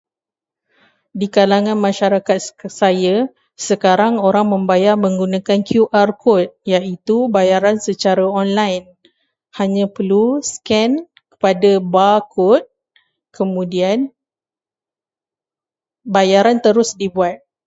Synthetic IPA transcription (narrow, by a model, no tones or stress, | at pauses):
dikalaŋãnmãʃaɾakat̪̚saja | səkaɾaŋoɾaŋmə̃mbajarmə̃ŋɡunãkankʰjuʔarkʰɔt̪̚jait̪ubajaɾansət͡ʃaɾaɔnlajn | haɲãpəluskɛn | kə̥padabakʰɔt̪̚ | kʰəmũdian | bajaɾant̪əɾʊsdibuat̪̚